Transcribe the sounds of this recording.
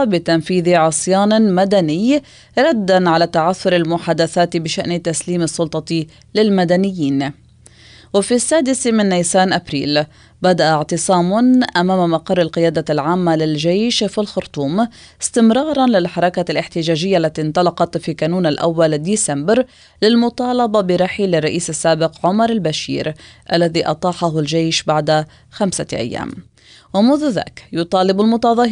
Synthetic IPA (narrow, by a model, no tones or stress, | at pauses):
bɪt̪anfiːðiʕɑsˤjɑːnmad̪anɪj | ɾˤad̪ːanʕalat̪aʕaθːʊɾalmʊħaːd̪aθaːt̪bɪʃaʔnt̪asliːmɑsˤːʊlt̪ˤɑ | lɪlmad̪anɪjːiːn | wɪfisːaːd̪ɪsmɪnːajsaːnʔabɾḭːl | bad̪aʔaʕt̪ɨsˤɑːmʊnʔamaːmamɑqɑrˤːɪlqɪjaːd̪alʕaːmːalɪlʒejʃfilxʊɾt̪ˤuːmɪst̪ɪmɾˤɑːɾˤɑnlɪlħɑɾˤɑkalɪħt̪ɪʒaːʒɪjːaʔlːat̪int̪ˤɑlɑqɑt̪fikaːnuːnalʔa̰wːald̪iːsambɾ | lɪlmʊt̪ˤɑːlɑbɑbɪɾˤɑħilɪrˤːɑʔiːsasːaːbɪqʕʊmɑɾˤalbaʃḭːɾʔalːaðiːʔɑ̰t̪ˤɑːħaɦʊld͡ʒejʃbaʕd̪a | xamsa̰ʔa̰jːa̰ːm | wamʊðʊða̰ːkjʊt̪ˤɑːlɪbalmʊt̪ɑðˤɑːh